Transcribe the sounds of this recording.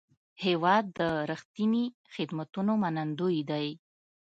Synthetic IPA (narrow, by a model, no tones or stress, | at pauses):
hewɑd̪ːəɾəxt̪ini | xɪd̪mat̪unomanand̪ujd̪aj